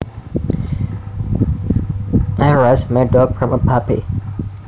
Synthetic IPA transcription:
ʔaɹasmɛdɔɡ̚fɹɔ̃məpʰapḭ

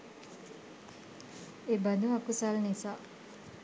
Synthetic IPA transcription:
ebad̪uakusalnisaː

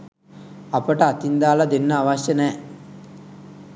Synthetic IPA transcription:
ɐpɐʈɐɐt̪ind̪aːlɐd̪enːɐaʋaʃjɐnɛː

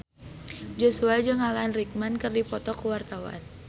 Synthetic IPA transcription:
d͡ʒosuad͡ʒɨŋalanrik̚mankərdipɔt̪ɔkəwart̪awa̰n

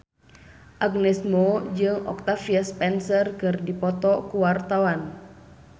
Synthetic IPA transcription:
ʔaɡnɛsmod͡ʒɨŋɔ̰k̚t̪afiaspɛnsərkɨrdipɔt̪ɔkuwart̪awan

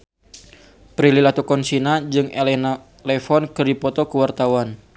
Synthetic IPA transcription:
pɾililat̪ukɔnsinad͡ʒɨŋelɛna | lɛfɔnkɨrdipɔt̪ɔkəwart̪awan

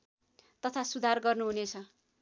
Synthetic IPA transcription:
t̪ʌt̪ʰasud̪ʱarɡʌrnuɦunet͡sʰʌ

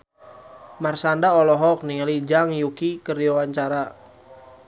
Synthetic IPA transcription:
marsandaɔlɔɦɔk̚niŋalid͡ʒaŋjukikəɾjɔwaɲt͡ʃaɾa

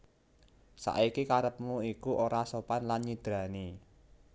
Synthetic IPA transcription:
sa̰ʔikikaɾəp̚muikuʔoɾasopanlanɲid̪̥ɾa̤ni

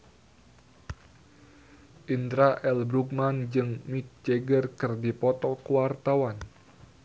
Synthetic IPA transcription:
ʔint̪ɾaʔɛlbɾuk̚mand͡ʒɨŋmik̚d͡ʒɛɡərkɨrdipɔt̪ɔkuwart̪awan

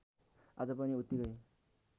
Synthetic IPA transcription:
ad͡zʌpʌniut̪ːiɡʌj

